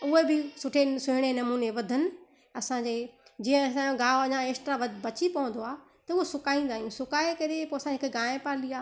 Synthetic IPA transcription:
ʊɦebɪsʊʈʰesʊɦɪɽ̃enɐmuːneʋɐd̪ʱənɪ̆ | ɐsãd͡ʑeːd͡ʑiːə̃sãɡãːoɐɲãeːsʈɾaʋɐbɐt͡ɕipɐʋə̃n̆d̪oaː | t̪ɐʊɦosʊkaːĩːn̆d̪aːɦijũsʊkaːekɐɾepoːɐsãɪɦɪkɡãːpaːɾliaː

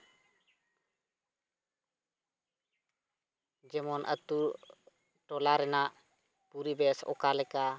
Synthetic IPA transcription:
d͡ʒɛmɔnʔə̰t̪uɾ | ʈɔlaɾɛnaʔ | puɾibɛsɔ̰kalɛka

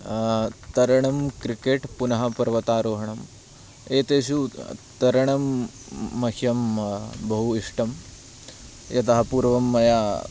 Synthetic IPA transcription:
t̪ɐɾɐɳɐmkɾikeːʈpunɐɦɐpɐɾʋɐt̪aːɾoːɦɐɳɐm | eːt̪eːʃut̪ɐɾɐɳɐmː | ɐkʰjɐmbɐɦuiʂʈɐm | jɐt̪ɐɦɐpuːɾʋɐmːɐjaː

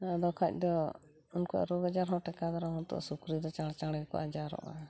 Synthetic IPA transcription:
d̪ɔkʰac̚ˀd̪ɔ | unkɔʔa̰ɾoɡad͡ʒaɾɦɔ̃ʈɛkad̪aɾaɦɔ̃t̪ɔ̰ʔsukɾid̪ɔt͡ʃaɽt͡ʃaɽɛkɔ̰ʔad͡ʒaɾɔ̰ʔa̰

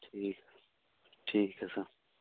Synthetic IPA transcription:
ʈʰiːk | ʈʰiːkɐsɐ

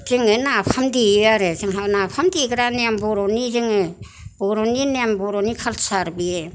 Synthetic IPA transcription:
zɯŋɯnapʰamdiɯaɾeziŋɦanapʰamdiɡɾanembɔɾɔnizɯŋɯ | bɔɾɔninembɔɾɔnikʰalsaɾbiɾe

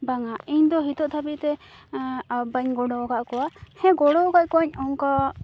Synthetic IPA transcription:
baŋaiɲd̪ɔɦit̪ɔʔt̪ʰabit̪ɛ | abaɲɡɔɽɔɡaʔkɔwahɛ̃ɡɔɽɔɡac̚kɔɲɔŋka

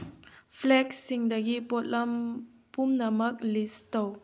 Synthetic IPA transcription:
flɛk̚siŋdaɡipɔt̪lam | pumnamək̚listow

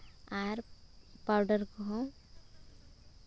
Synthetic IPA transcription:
aːɾpaɾɖəɾkoɦo

